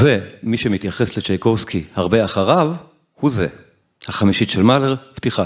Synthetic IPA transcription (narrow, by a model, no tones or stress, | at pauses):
vemiʃemit̪jaχe̞slet͡ʃejko̞vskʰihaʁbe̞aχaʁav | huze̞ | haχamiʃitʃelmaleʁb̥t̪iχa